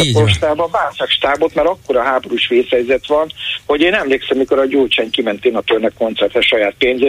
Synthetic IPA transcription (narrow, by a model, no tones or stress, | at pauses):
poʃt̪aːbɒvaːlsakʃt̪aːbo̞t̪mɛɾɒkːo̞ɾɒɦaːbo̞ɾuʃʋeːshɛjzɛt̪ʋɒnho̞ɟeːnɛmleːksɛmːiko̞ɾɒɟoːt͡ʃaŋkimɛnt̪eːnɒt̪ørnɛkːo̞nt̪sɛrt̪hɛʃːɒjaːt̪̚peːnze